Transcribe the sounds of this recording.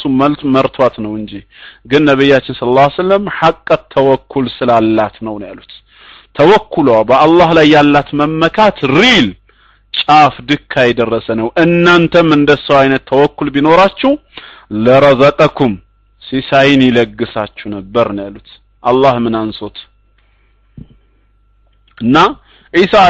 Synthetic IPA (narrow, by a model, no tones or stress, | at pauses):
suməlt̪məɾt̪ʰwat̪nəwɨnd͡ʒihɡɨnːəβijːat͡ʃːɪnsələlːasəlːəmħakʼːət̪ʰːəwɔkʰːulsɨlalːat̪nəwnja̰lut̪ʰː | əwɔkːulabəalːahlajːalːat̪məmːəkʰat̪ɾil | t͡ʃʼafd̪ɨkʰːajɛd̪ərːəsənəwʔɨnːant̪ʰəmɨnd̪əsəwajnət̪ʰːəwɔkːulbino̞ɾat͡ʃːɛw | ləɾəzəkʼəkʰum | sisajɪnjɪləɡːɨsat͡ʃːɛnəbːəɾnjalut̪ | ʔalːahmɨnanso̞t̪ | ʔɨnːa | ʔisa